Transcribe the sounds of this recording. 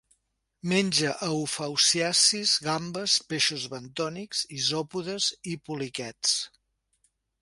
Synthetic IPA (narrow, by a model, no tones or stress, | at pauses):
menʲd͡ʒəʔəufawsiasizɣambəspeʃuzβənt̪ɔnikzizɔpuðəzipulikɛt͡s